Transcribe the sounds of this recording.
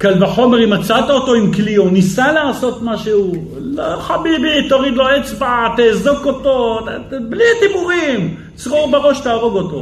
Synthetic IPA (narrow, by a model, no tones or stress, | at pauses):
kalbaħo̞meʁimat͡sat̪aot̪o̞imklionisalaːso̞t̪maʃehu | loχabibit̪oʁid̪loet͡sbaat̪eːzoko̞t̪o̞tablit̪ibuʁim | t͡sʁoʁbeʁo̞ʃt̪aːʁo̞ɡo̞t̪o̞̰